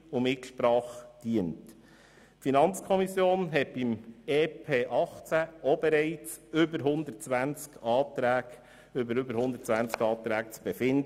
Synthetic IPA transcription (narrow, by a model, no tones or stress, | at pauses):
ʊmɪtʃpɾɑːχd̥iənt | finɑnt͡skʰɔmisjoːnɦɛt̚b̥imeːpʰeːʔɑχt͡sæobɛɾɛɪt͡sʏbəɾɦʊnd̪əɾtt͡sʋænt͡skɑːtɾæːɡ | ʏbəɾʏbəɾhʊnd̪əɾtt͡sʋænt͡skɑːt̪ɾæːkt͡sb̥efɪndə